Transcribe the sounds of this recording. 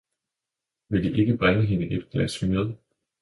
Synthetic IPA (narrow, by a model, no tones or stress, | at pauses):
ʋe̝ld̥iʔe̝ɡ̥əb̥ʁanəɦe̝nəʔed̥ɡ̥læsmeðˠ